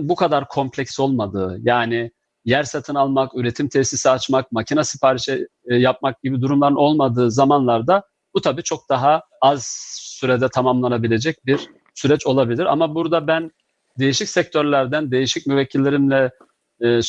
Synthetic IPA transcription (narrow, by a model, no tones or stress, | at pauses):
bukʰad̪aɾkʰo̞mpʰlʲɛcso̞lˠmad̪ɯːjaːnɪ | jæɾsat̪ʰɯnalˠmakyɾe̞t̪ʰimt̪ʰɛsisiat͡ʃmak̚macʰinasipʰaːɾiʃɛ | jap̚mak̚ɟ̥ibid̪uɾumlˠaɾɯno̞lˠmad̪ɯːzamanlˠaɾd̪a | but̪ʰabiːt͡ʃʰo̞k̚d̪̥aɦa | azsyɾɛd̪ɛt̪ʰamamlˠanabilʲe̞d͡ʒɛc̚biɾ | syɾɛt͡ʃo̞lˠabilʲiɾa̰mabuɾd̪abæn | d̪e̞jiʃicsɛc̚t̪ʰøɾlʲæɾd̪ænd̪e̞jiʃicmyvɛcʰːilʲːeɾimlʲɛː